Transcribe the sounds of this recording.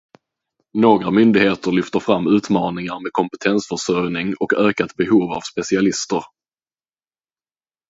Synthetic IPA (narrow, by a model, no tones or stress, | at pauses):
noːɡɾamʏnd̪ɪɡheːt̪əɾɭʏft̪əɾfɾamːʉ̟ːt̪mɑːnɪŋaɾmeːd̪̚kʰɔmpɛt̪ʰɛnsfœʂœɾjnɪŋɔkøːkat̪bɛɦuːva̰vspɛsɪalɪst̪əɾ